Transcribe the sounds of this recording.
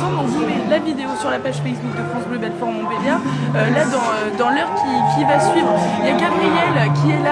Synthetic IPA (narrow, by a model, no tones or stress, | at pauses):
ɑ̃d̪ɔ̃vumɛlavid̪eosyʁlapaʒfɛjsbuk̚d̪əfχɑ̃sbløbɛt̪fɔʁmɔ̃bed̪jaølad̪ɑ̃ød̪ɑ̃lœʁkʲikʲivasɥivʁljakabʁijɛlkʲiɛla